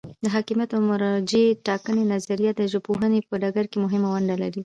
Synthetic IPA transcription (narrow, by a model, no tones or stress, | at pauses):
d̪əɦɑkimjat̪amʊɾɑd͡ʒeʈɑkənenazaɾijat̪̚d̪əʒopoɦənepəɖaɡaɾkemʊɦɪmawaɳɖalaɾi